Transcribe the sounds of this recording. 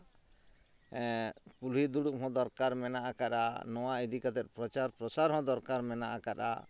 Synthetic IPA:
pulɦid̪uɽukɦɔ̃d̪ɔɾkaɾmɛnaʔakaɗa̰nɔwaid̪ikat̪ɛt̪̚pɾɔt͡ʃaɾpɾɔsaɾɦɔ̃d̪ɔɾkaɾmɛnaʔakaɗa̰

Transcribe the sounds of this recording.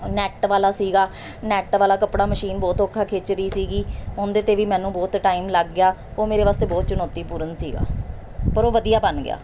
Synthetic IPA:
nɛːʈʋaːlaːsiːɡaː | nɛːʈʋaːlaːkəpɽaːməʃiːnbɔːt̪oːkʰːaːkʰeːt͡ʃɾiːsiːɡiːɦɔ̃ːnd̪eːt̪eːʋiːmɛ̃ːnũːbɔːt̪ʈaːiːmləɡːɪjaːoːmeːɾeːʋaːst̪eːbɔːt̪t͡ʃʊnɔːt̪iːpuːɾənsiːɡa̰ː | pəɾoːʋəd̪ijaːbənɡɪ̰a̰ː

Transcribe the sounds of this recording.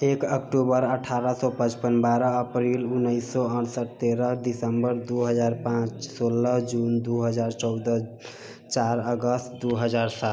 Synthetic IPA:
ekəkʈubəɾəʈʰaɾəsɔpə̃t͡ʃpənbaɾəːpɾilunːəɪsɔənsəʈ̚t̪eɾəɖ̪isəmbəɾd̪uɦəd͡ʒaɾpãt͡ʃsolːəɦd͡ʒund̪uɦəd͡ʒaɾt͡ʃɔʊd̪ə | t͡ʃaɾəɡəst̪d̪uɦəd͡ʒaɾsat̪

